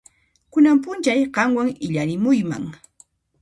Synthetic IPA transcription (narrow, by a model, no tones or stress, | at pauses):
kʊnampʊnt͡ʃajɢɑmwaŋɪʎaɾɪmʊjma̰ŋ